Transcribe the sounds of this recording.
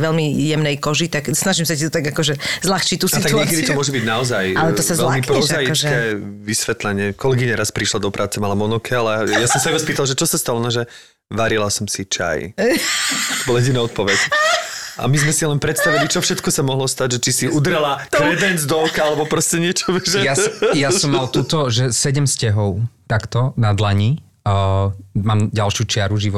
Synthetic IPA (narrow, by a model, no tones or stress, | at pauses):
ʋɛlmijɛmnɛjkɔʒit̪aksnaʒimsacit̪ɔt̪aɡakɔʒɛzlaxt͡ʃit̪ust̪aɡɲɪɛkɛd̪it̪ɔmʊɔʒɛbiɟnaɔzajalɛt̪ɔsazvɛlmmipɾɔzajikɛʋisʋɛt̪lɛɲɪɛkɔlɛɡiɲaɾaspɾiʃlad̪ɔpɾʔaːt͡sɛmalamɔnɔkʰialɛjasɔmsaibaspiːt̪alʒɛt͡ʃɔsast̪alɔnaʒɛ | ʋaɾilasɔmsit͡ʃa̰j | t̪ɔbɔlajɛɟinaɔt̪̚pɔʋɛc | ʔa̰mizmɛsilɛnpɾɛt̪st̪aʋilit͡ʃɔfʃɛt̪kɔsamɔɦlɔst̪aɟʒɛt͡ʃisiud̪ɾɛlatɾɛd̪ɛnd͡zd̪ɔʊkaalɛbɔpɾɔscɛɲɪɛt͡ʃɔʒɛjajasɔmːalt̪ut̪ɔʒɛsɛɟɛmscɛɦɔʊt̪akt̪ɔnad̪laɲi | maːmɟalʃjut͡ʃɪaɾuʒiʋɔ